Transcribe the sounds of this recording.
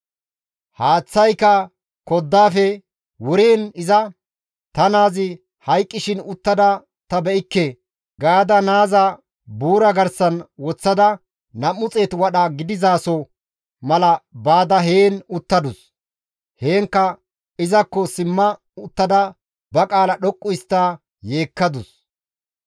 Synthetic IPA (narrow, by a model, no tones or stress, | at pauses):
haːt͡sːɐjkɐ | kɔd̪ːaːfɛ | wʊɾeːnɪzɐ | t̪ɐnaːzɪ | hɐjkʼːɪʃɪnʊt̪ːɐd̪ɐ | t̪ɐbɛʔɪkːe | ɡaːd̪ɐnaːzɐ | buːɾɐɡɐɾsɐnwɔt͡sːɐd̪ɐ | nɐmːʊt͡sʼe̞ːt̪wɐɗɐɡɪd̪ɪzaːsɔ | mɐlɐbaːd̪ɐɦeːnʊt̪ːɐd̪ʊs | heːŋkːɐ | ɪzɐkːɔsɪmːɐ | ʊt̪ːɐd̪ɐ | bɐkʼaːlɐɗɔkʼːʊɪst̪ːa | je̞ːkːɐd̪ʊs